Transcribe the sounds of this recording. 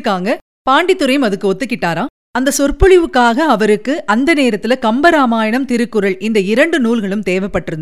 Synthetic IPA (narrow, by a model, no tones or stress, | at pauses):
kːaːŋɡɐ | paːɳɖɪt̪ːɯɾɐjɯmɐðɯkːɯɔt̪ːɯkːɪʈːaːɾãː | ɐnd̪ɐsɔrpɯɻɪʋɯkːaːɣɐːʋɐɾɯkːɯʔɐnd̪ɐneːɾɐt̪ːɪlɐkɐmbɐɾaːmaːjɐɳɐmt̪ɪɾɯkːɯɾɐɭɪnd̪ɐɪɾɐɳɖɯnuːlɣɐɭɯmt̪eːʋɐpːɐʈːɯɾɯnd̪